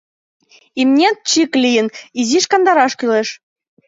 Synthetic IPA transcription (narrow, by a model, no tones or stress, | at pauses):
imnʲet͡ɕiklʲijə̆niziʃkɑnd̪ɑɾɑʃkyleʃ